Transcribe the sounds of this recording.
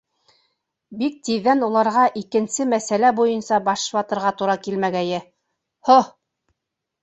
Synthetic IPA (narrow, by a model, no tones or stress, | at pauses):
bik̚t̪iðːænulˠɑɾʁɑʔikɘ̆nsɘmæsælæbujɤnsɑbɑʃwɑt̪ɤ̆ɾʁɑt̪uɾɑkilmæɡæjɘ | ho